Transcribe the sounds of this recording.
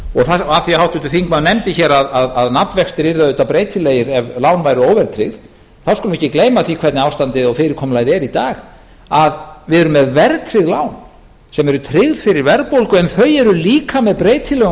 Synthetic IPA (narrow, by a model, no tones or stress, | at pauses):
ɔɣθaaθiahawht̪ʏt̪ʏθiŋkmanɛmt̪ɪçɛːɾaðaðaðnat̪vɛkst̪ɪɾiɾðaðʏːt̪apɾeːjt̪ʰɪlːeːjɪɾɛvlaːwnvajɾʏoːwvɛɾt̪ʰɾɪɣð | θawskʏlvɪɛhcːɪkleːjmaθikʰvɛɾt̪nɪaːwst̪ant̪ɪðɔɣfɪːɾɪɾ̥kʰɔːmlajðɛɾit̪aːɣ | aðvɪðɛɾʏmːɛðvɛɾt̪ʰɾɪðlaːwn | sɛmɛɾʏt̪ʰɾɪɣðfɪɾɪɾvɛɾðpowlkʏɛnθœɥɛɾʏliːkamɛðpɾeːjt̪ʰɪlːœɣ